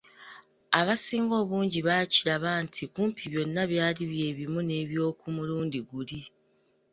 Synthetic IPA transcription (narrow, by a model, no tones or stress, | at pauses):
aβasiːŋɡo̞ːβuːɲɟiβaciɾaβaːntʰikuːmpʰiβjo̞nːaβjaːliβje̞ːβimune̞βjo̞ːkumuluːndiɡuli